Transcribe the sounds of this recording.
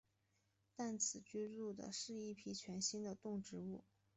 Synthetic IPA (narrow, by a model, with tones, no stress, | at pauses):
t̪a˥˩nt͡sʰɹ̩˨˩t͡ɕy˥ɻu˥˩d̪ə̰˩ʂɻ̩˥˧i˥˩pʰi˥t͡ɕʰɥɛ˧˥nɕi˥nd̪ə˨t̪ʊ˥˩ŋʈ͡ʂɻ̩˧˥u˥˩